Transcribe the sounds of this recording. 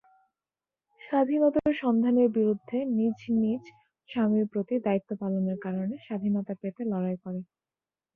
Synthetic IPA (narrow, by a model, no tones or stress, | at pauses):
ʃad̪ʱinɔt̪aɾʃɔnd̪ʱaneɾbiɾud̪ʱːenid͡ʑnid͡ʑ | ʃamiɾpɾot̪id̪ait̪ːopaloneɾkaɾoneʃad̪ʱinɔt̪apet̪elɔɽajkɔɾe